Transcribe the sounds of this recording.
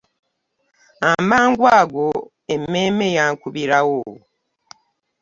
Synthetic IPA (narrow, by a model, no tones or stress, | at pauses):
ambaːŋɡwaːɡo | emːeːmejaŋkuβiɾawo